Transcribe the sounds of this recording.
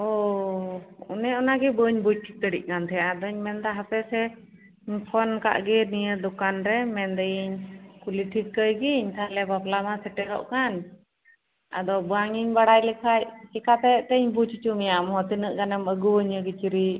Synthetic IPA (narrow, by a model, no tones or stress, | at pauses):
ɔ | ṵnɛɔnaɡɛbəɲbut͡ʃ̚ʈʰik̚t̪əɖḭc̚kant̪ʰɛjaad̪ɔɲmɛnd̪aɦapɛsɛ | ɲpʰɔnka̰ʔɡɛnijəd̪ɔkanɾɛmɛnd̪ɛiɲkuliʈʰikːəjɡiɲt̪ʰalɛbaplamasɛʈɛɾɔ̰ʔkan | a̰d̪ɔbɔwaŋiɲbaɽajlikʰajt͡ʃikat̪ɛʔt̪ɛɲbut͡ʃit͡ʃumijaʔmɦɔt̪inəʔɡanəməɡuəɲəɡit͡ʃiɾi